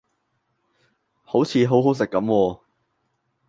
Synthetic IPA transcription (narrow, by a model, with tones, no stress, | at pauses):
ho˨˥wt͡sʰiː˨˧ɦo˨˥wɦo˨˥ws̬ɪ˨kːɐ˨˥mwɔː˧